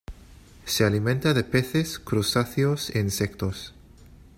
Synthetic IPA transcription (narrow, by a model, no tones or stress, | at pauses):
sealimẽnt̪aðepeθeskɾusaθjoseensekt̪os